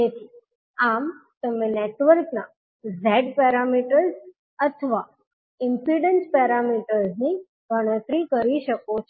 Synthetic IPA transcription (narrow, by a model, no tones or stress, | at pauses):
d͡ʒet̪ʰi | amt̪əmeneʈʋəɾkna | zɛɖpɛɾamiʈəɾz | ət̪ʰəʋa | ɪmpiɖənspɛɾamiʈəɾzni | ɡʱəɽ̃õt̪ɾikəɾiʃəkot͡ʃʰ